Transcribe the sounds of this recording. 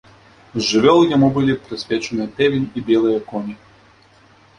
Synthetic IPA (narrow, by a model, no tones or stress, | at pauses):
zʐɨvʲɔlˠjamubɨlʲipɾɨsʲvʲɛt͡ʃɛnɨɐt̪ɛvʲinʲibʲjɛlˠɨjɐkɔnʲi